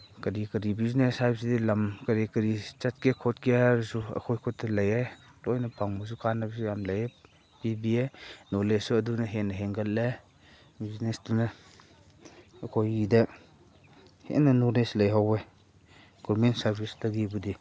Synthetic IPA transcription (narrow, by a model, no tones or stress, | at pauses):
kɐɾikɐɾibizneshajp̚sidilɐmkɐɾekɐɾit͡ʃat̚kekʰɔtkeabɐsuɐ̰kʰojkʰɔt̚ːɐlajajlojnɐpʰaŋbas̬ukʰanabs̬ujamlaje | pibienolesuɐdunɐɦenɐɦeŋɡalle | biznesduna | kʰojidɐ | hḛnɐnɔleslɐjɦawe | ɡ̥ɔmentsɐɾbʰʱislaɡibudi